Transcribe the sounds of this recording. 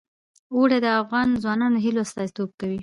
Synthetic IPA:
oɽed̪əafɣɑnzwɑnɑnoɦiloast̪ɑzit̪ob̚kawi

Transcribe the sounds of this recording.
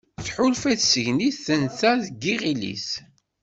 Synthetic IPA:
θħʊlfæθsəʝniθənθæðɡiʁilḭs

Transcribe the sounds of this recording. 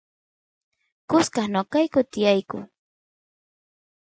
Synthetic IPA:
kʊskɑχnokajkʊt̪ɪjajkʊ̰

